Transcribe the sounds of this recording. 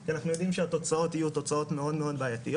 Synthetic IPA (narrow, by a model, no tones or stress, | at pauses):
kianaχnujo̞dimʃeato̞t͡sao̞tijuto̞t͡sao̞t̪me̞o̞dme̞o̞d̪baːjat̪ijo